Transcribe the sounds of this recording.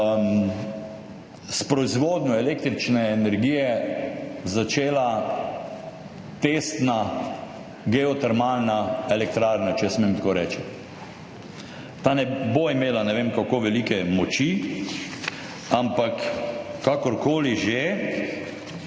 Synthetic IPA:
m | spɾɔizʋoːd̪nʲjɔɛleːk̚t̪ɾit͡ʃnɛːnɛɾɡiːjɛ | zat͡ʃeːla | t̪est̪na | ɡɛɔt̪ɛɾmalnaɛlɛk̚t̪ɾaɾnat͡ʃɛsmemt̪akoːɾɛːt͡ʃi | t̪aːnɛboimeːlanɛʋemkakoːʋɛlikɛmɔt͡ʃi | ampakː | akɔɾkoːliʒe

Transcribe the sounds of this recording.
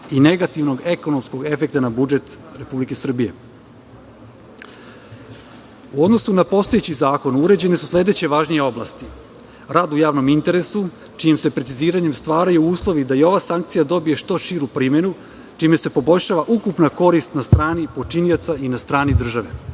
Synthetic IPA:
ine̞ɡat̪iʋno̞ɡe̞ko̞nomsko̞ɡe̞fe̞k̚t̪anabud͡ʒe̞t̪ | ɾe̞publike̞sr̩bije̞ | uo̞d̪no̞sunapo̞st̪o̞jet͡ɕizaːko̞nuɾe̞d͡ʑe̞nesuslʲe̞d̪et͡ɕe̞ʋaːʒnije̞o̞blˠa̰st̪i | ɾad̪ujaːʋno̞mint̪e̞ɾe̞su | t͡ʃijemse̞pɾet̪iziːɾaɲe̞mst̪ʋaːɾajuuːslˠo̞ʋid̪aio̞ʋasaŋk̚t̪sijad̪o̞bije̞ʃt̪o̞ʃiɾupɾiːme̞nu | t͡ʃime̞se̞po̞bo̞ʎʲʃaʋaʔukupnako̞ɾist̪nast̪ɾaːnipo̞t͡ʃinio̞t̪sainast̪ɾaːnid̪r̩ʒaʋe̞

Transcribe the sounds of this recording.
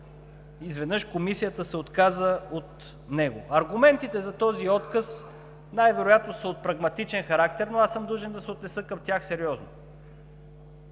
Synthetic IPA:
izvɛd̪nɤʃkomisijət̪əsɛot̪kazəot̪ | nɛɡoʔɐɾɡʊmɛnt̪it̪ɛzɐt̪ɔziɔt̪kəs | najvɛɾojat̪nosəot̪̚pɾɐɡmɐt̪it͡ʃɛnxɐɾak̚t̪ɛɾnoasɤmd̪uʒɛnd̪ɐsɛot̪nɛsɤkɐmt̪ʲjaxsɛɾiɔzno

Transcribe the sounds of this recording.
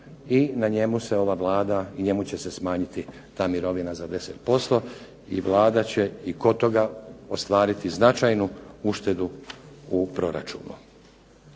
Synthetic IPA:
inaɲe̞muse̞o̞ʋaʋlˠaːd̪aiɲe̞mut͡ɕese̞smaːɲit̪i | t̪aːmiɾo̞ʋinazad̪e̞set̪po̞st̪o̞ | iʋlˠaːd̪at͡ɕe̞iko̞t̪o̞ɡaost̪ʋaːɾit̪iznat͡ʃajnuuʃt̪e̞d̪uupɾo̞ɾa̰t͡ʃṵːnṵ

